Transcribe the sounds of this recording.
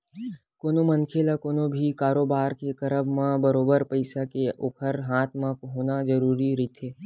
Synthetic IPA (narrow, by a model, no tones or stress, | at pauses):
koːnomənkʰeːlakoːnõbʱikaːɾoːbaːɾkekɐɾəbmãbəɾoːbəɾpəɪsakeʔoːkʰəɾɦaːt̪ʰmãkɦoːnazəɾuːɾiɾit̪ʰeː